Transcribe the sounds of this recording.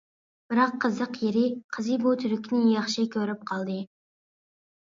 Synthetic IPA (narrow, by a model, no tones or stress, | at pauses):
b̥ɪɾɑqʰːəzəqjeɾɪqʰəzɨbot̪ʰyɾɪkʲʰnɪjɑχʃɨkʲʰøɾɪp̚qʰɑlˠd̪ɨ